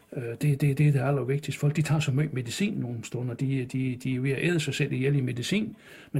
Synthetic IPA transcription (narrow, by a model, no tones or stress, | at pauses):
ød̥e̝d̥e̝d̥e̝d̥e̝æl̰ɐʋe̝ɡ̥̚d̥isd̥fɒ̽l̰ɡ̥d̥it͡sʰɑ̰̈sɒmøːme̝ðˠisḭːnːo̝ːn̩sd̥ɔnɐd̥id̥id̥iʋe̝ʔeðˠsɑ̈ɪsel̰ijelime̝ðˠisḭːn | me